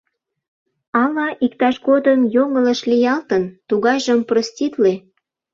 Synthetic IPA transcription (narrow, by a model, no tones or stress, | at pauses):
ɑlɑʔikt̪ɑʃɣod̪əmjoŋələʃlijɑlt̪ənt̪uɣɑjʒəmprostʲit̪le